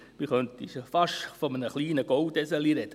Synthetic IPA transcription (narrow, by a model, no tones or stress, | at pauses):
miχœnt̪iʃfɑʃfɔmənəχliːnəɡ̥ɔwd̪ɛsəliɾɛd̥̪ə